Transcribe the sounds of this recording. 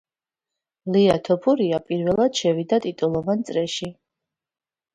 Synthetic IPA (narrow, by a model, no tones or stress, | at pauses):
liat̪ʰɔpʰuɾiapʼiɾvɛlˠad̪̥ʃɛvid̪at̪ʼit̪ʼulˠɔvant̪sʼɾɛʃi